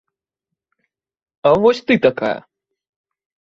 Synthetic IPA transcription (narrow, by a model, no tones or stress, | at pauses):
ɐvɔsʲt̪ɨt̪ɐka̰jɐ̰